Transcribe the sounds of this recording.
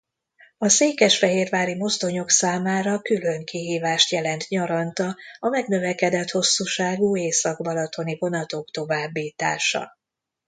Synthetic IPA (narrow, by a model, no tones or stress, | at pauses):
ɒseːkɛʃfɛɦeːrvaːɾimo̞zd̪o̞ɲo̞ksaːmaːɾɒkylø̞ŋkiɦiːvaːʃt̪jɛlɛnt̪ɲɒɾɒnt̪ɒɒmɛɡnø̞vɛkɛd̪ɛt̪ho̞sːuːʃaːɡuːeːsɒɡbɒlɒt̪ʰo̞nivo̞nɒt̪okt̪o̞vaːbːiːt̪a̰ːʃɒ̰